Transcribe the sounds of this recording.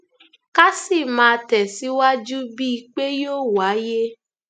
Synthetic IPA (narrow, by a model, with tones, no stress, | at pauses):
ka˦si˦˨mãː˧tɛ˨si˨˦wa˦d͡ʒu˦bi˦i˧k͡pe˦joː˦˨wa˨˦je˦